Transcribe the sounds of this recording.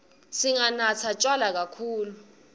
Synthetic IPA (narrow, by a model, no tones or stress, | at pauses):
siŋanat͡sʰat͡ʃʼwalak̬akʰuːlu